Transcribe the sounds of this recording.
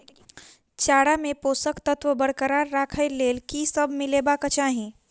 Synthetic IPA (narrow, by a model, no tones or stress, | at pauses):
t͡ʃaːɽamepoːsəkt̪ət̪ʋəbəɽkəɾaɾːaːkʰəɪleːlkisəbmɪilebakət͡ʃaɦĩ